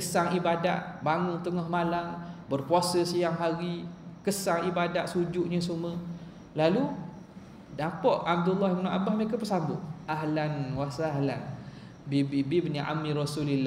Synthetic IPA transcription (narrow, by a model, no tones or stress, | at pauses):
kəsaŋibada̰ʔbaŋʊnt̪əŋɔhmalambərpuasəsəjaŋɦaɾikəsaŋibadaʔsud͡ʒuʔɲəsumə | lalu | dapɔʔab̚dulːahbənɔʔabahməekəpərsambʊʔaɦlanwasaahlan | bibibibəniʔa̰miɾɔsulilːa